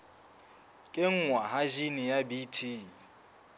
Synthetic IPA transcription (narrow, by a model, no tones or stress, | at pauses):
kʼeŋ̩ŋwaɦaʒinɪjabitʰi